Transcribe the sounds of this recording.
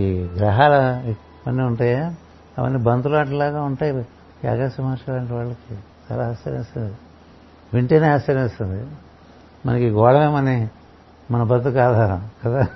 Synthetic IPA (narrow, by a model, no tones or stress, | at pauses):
iːɡɾɐɦaːlɐ | pɐnːiuɳʈaːja | ɐ̰ʋɐ̰nːibɐnd̪ulaːʈɐlaːɡaːuɳʈaːji | ia̰ːɡaːsɐmaːɾʂɐɐɳʈiʋaːɭːɐki | t͡ʃa̰ːlaːɦɐst͡ʃːɐɾɐ̰mest̪und̪i | ʋiɳʈeːneːɦɐst͡ʃɐɾɐmest̪und̪i | mɐ̰nɐkiɡɔːɽɐmeːmɐni | mɐnɐbɐt̪ːukaːd̪ʱaːɾɐkɐd̪aː